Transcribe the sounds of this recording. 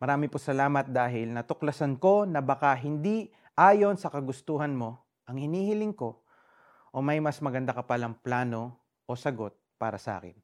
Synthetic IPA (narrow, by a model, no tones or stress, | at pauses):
mɐɾaːmɪposɐlaːmɐt̪̚d̪aːɦɪlnɐt̪ʊklɐsɐnko̞nɐbɐkaɦɪnd̪i | ʔaːjo̞nsɐkɐɡʊst̪uːɦɐnmo̞ | ʔɐŋhɪniːhɪlɪŋko̞ | ʔomɐjmɐsmɐɡɐnd̪akɐpalɐŋplaːno̞ | ʔosɐɡo̞t̪̚pa̰ːɾɐsɐʔa̰ːkɪ̰n